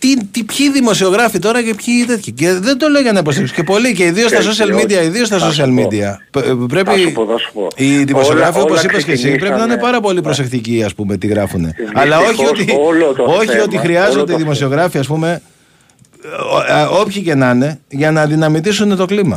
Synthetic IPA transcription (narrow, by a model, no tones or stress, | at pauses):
t̪it̪ipçiðimo̞sio̞ɣɾɐfit̪o̞ɾɐcepçit̪e̞t̪çɐce̞ðend̪o̞leoʝɐnɐipost̪epsce̞po̞liceiðio̞st̪ɐs̬o̞siɐlmid̪iɐiðio̞st̪ɐso̞s̬iɐlmid̪iɐ | pɾe̞pi̥ | iðimos̞sioɣɾɐfiopos̬ipɐscesip̬ɾe̞pinɐine̞pɐɾɐpo̞lipɾo̞se̞kt̪iciɐspume̞t̪iɣɾɐfune̞̰ɐlɐo̞çiot̪io̞çio̞t̪ixɾiɐzo̞nd̪eiðimo̞sio̞ɣɾɐfiɐspume̞ | o̞pçice̞nɐne̞ʝɐnɐːðinɐmit̪isune̞t̪o̞klimɐ